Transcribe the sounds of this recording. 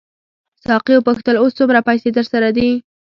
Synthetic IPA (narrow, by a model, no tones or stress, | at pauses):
sɑqiopaxt̪əlost͡sumɾapajsed̪əɾsaɾad̪i